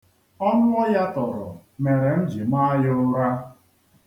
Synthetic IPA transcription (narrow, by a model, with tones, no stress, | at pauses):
ɔ˦nʊ˦ɔ˦ja˦tɔ˨ɾʊ̰˨me˨ɾe˨n̩˦d͡ʒi˨ma˦a˦jʊ˦ɾa˦